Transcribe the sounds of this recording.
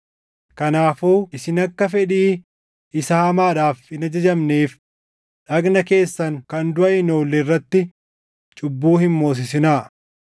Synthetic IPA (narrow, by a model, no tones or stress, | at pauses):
kɐnaːfuːɪsɪnɐkːɐfɛᶑiː | ɪsɐhɐmaːᶑaːfɪnɐd͡ʒɐd͡ʒɐmneːf | ᶑɐɡnɐke̞ːsːɐŋkɐnd̪ʊʔɐɪnoːlːɛrːɐt̪ːɪ | t͡ʃʼʊbːuːhɪmmo̞ːs̬ɪs̬ɪnaː